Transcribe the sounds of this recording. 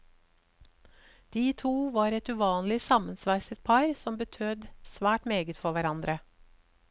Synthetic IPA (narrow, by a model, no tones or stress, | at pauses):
d̪̥iːt̪ʰuːʋɑːɾɛt̪ʉːʋɑːnlɪsɑmənsʋæɪsət̪̚pʰɑɾsɔmbət̪ʰød̪sʋæːʈmeːɡət̪fɔʋæɾɑnd̪ɾə